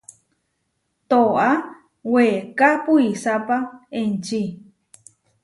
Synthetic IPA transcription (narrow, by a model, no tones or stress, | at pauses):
t̪oʔa | wekapuisapaẽnt͡ʃi